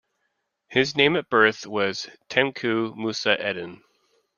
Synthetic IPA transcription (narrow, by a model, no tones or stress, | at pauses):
hɪznẽɪ̃mɨt̚b̥ɜ˞θwʌz̥tʰɛ̃mkʰʉmusɨʔɛdⁿɨ̃n̩